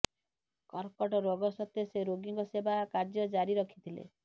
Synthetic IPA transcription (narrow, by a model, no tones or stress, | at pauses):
kɔɾkɔʈɔɾoɡɔsɔt̪jeseɾoɡiŋkɔsebakaɾd͡ʒɔd͡ʒaɾiɾɔkʰi̥t̪ʰilḛ